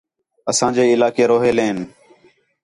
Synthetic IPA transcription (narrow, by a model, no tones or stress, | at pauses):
əsãːd͡ʒeːɪlaːkeːɾoːɦeːleːn